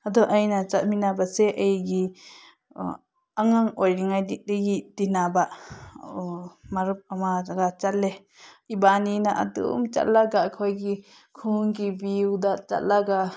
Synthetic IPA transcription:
ad̪ɔʔajnat͡ʃatminabasɛʔəjɡi | aŋaŋɔjɾiŋajdiʔ̚deɡit̪inabaʔ | maɾɯp̚amadaɡat͡ʃalːɛ | ibaninaʔa̰d̪ṵmt͡ʃa̰ʔlaɡaʔkʰɔjɡi | kʰuŋkibiwd̪at͡ʃa̰laɡa

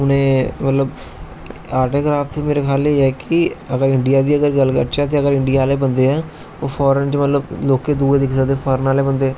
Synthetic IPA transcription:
ʊnẽːmət̪ləb | aːɾʈeːkɾaːfʰt̪meːɾekʰaːleɛːkɪəɡəɾɪɳɖɪjaːd̪iːəɡəɾɡəlːkəɾt͡ʃaːt̪̬ẽːəɡəɾɪɳɖɪjaːleːbə̃nd̪eːɛː | oːpʰɔːɾənt͡ʃmət̪ləbloːkeːd̪uːd̪ɪksəd̪eːpʰɔːɾənaːleːbənd̪eːɛː

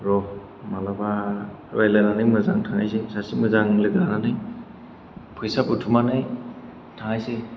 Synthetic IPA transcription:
ɾɔ | malaba | ɾajlananɯjmɯzaŋtʰaŋajsesasimɯzaŋlɯɡɾananɯj | pʰɯjsaputʰumanaj | tʰaŋajse

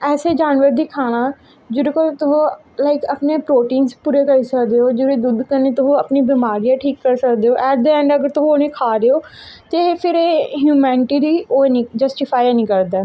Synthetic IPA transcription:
ɛːseːd͡ʒaːnʋəɾd̪iːkʰaːɽ̃ãː | d͡ʒʊɾekolt̪ʊɦõː | laːɪkəpneːpɾoːʈiːnspuːɾeːkəɾiːsəkd̪eːoːd͡ʒoɾeːd̪ʊd̪kəneːt̪ʊɦõːəpniːbɪmaːɾiːãːʈʰiːkːəɾsəkd̪eːoːʔɛːd̪eɛ̃ɳɖəɡəɾt̪ʊɦooːnẽːkʰaːɾeːoː | t̪epʰɪɾeːɦjuːmɛːnɪʈiːɾiːoːnĩːd͡ʒəsʈɪpʰaːjanĩːkəɾd̪aː

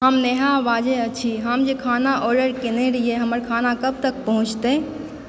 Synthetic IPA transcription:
ɦəmneɦaʋaːd͡ʒeət͡ʃʰiɦəmd͡ʒekʰaːnaʔɔːɾɖəɾkɪneɾieɦɐməɾkʰaːnakəb̚t̪ək̚pəɦʊ̃t͡ʃʰt̪e

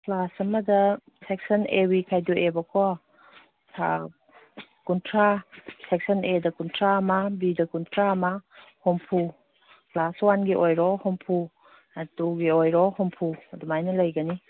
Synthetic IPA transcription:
plasɐmɐdɐ | sek̚sɐnewikʰajduebɐkʰɔ | sʰa̰ | kuntʰɾasek̚sɐnedɐkuntʰɾaːmɐbidɐkuntʰɾaɐmɐhompʰu | plaswanɡiʔojɾɔhompʰu | ɐtuɡiojɾɔhompʰuɐdumajnɐlɐjɡɐni

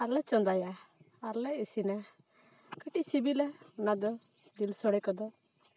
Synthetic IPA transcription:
aɾlɛt͡ʃɔ̃nd̪aja | aɾlɛesinɛ | kəʈisibilɛnad̪ɔ | d̪ilsɔɽɛkɔd̪ɔ

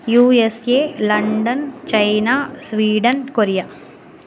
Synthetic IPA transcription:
juːeseːlɐɳɖɐnt͡ʃɐjnaːsʋiːɖɐnkoɾijaː

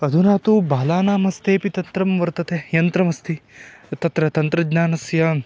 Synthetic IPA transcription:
ɐd̪ʱunaːt̪ubaːlaːnaːmɐst̪ʰeːpit̪ɐnt̪ɾɐmʋɐɾt̪ɐt̪ejɐnt̪ɾɐmɐst̪ʰit̪ɐt̪ɾɐt̪ɐnt̪ɾɐɡnaːnɐsjaːn

